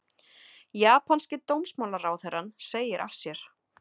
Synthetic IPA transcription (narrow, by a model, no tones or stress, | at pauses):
jaːpʰanscɪt̪ownsmawlaɾaːwθɛrːanːseːjɪɾʔa̰fsjɛɾ̥